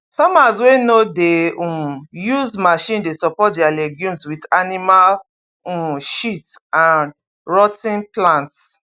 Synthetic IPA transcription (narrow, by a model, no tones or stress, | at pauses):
famaswenodeũjuzmaʃĩndesɔpɔtdialɛɡjũmswidanimal | ũʃitãn | ɹɔtĩnplãnts